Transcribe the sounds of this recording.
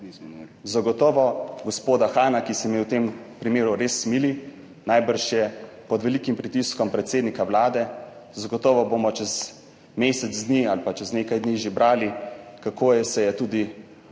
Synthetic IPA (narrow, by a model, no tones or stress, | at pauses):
zaɡɔt̪ɔːʋɔɡɔspoːd̪axaːnakisɛmiɛwt̪empɾimeːɾuɾeːsːmili | najbəɾʃjɛpɔd̪ʋɛlikimpɾit̪iskɔmpɾɛt̪seːd̪nikawlaːd̪ɛ | zaɡɔt̪ɔːʋɔbomɔt͡ʃɛz | meːsɛd̪zd̪nialpat͡ʃɛzneːkajd̪niʒebɾaːlikakoːjɛsɛjɛt̪uːd̪i